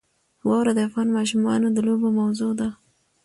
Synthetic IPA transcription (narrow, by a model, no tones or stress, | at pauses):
wɑwɾad̪əafɣɑnmɑʃ̬umɑnod̪əlobomawzod̪a